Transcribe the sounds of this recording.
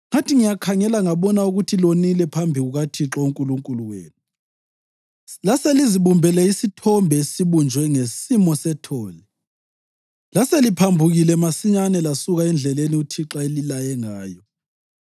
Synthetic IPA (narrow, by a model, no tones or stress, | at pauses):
ŋatʰʼiŋijakʰaŋɛlaŋaβɔnauɣutʰilonilɛpʰambʱiɣuɣatʰiǁɔuŋkʼuluŋkʼuluwḛːnu | laseliziβumbʱɛlɛisitʰɔmbʱɛesiβund͡ʒʱwɛŋesimɔsɛtʰɔːlɛ | laselipʰambʱuɣilɛmasiɲanɛlasuɣaɛnd͡ɮʱɛleniutʰiǁaelilajɛŋaːjɔ